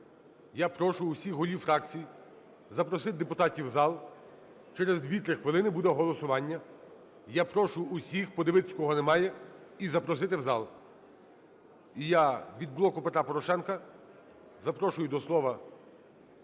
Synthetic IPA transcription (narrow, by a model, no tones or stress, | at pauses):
japɾɔʃʊʊsʲixɦɔlʲiwfɾɑkt͡sʲiji | zɐpɾɔsɪt̪̚d̪epʊt̪ɑtʲiwzɑlˠ | t͡ʃɛɾezd̪ʲʋʲit̪ɾɪxʋɪlˠɪnɪbud̪ɛɦɔlˠɔsʊʋɑnʲːɐ | japɾɔʃʊːsʲixpɔd̪eʋɪt̪ɪ̥kɔɦɔnɛmɑjɛizɐpɾɔsɪt̪ɪwzɑlˠ | ijaʋʲid̪̚blˠɔkʊpet̪ɾapɔɾɔʃɛnkɐ | zɐpɾɔʃʊjʊd̪ɔslˠɔʋɐ